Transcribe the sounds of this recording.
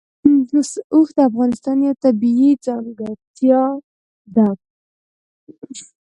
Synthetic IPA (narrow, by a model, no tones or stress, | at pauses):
usuxd̪əafɣɑnɪst̪ɑnjawt̪abiid͡zaŋɡat̪jɑ | d̪ak̚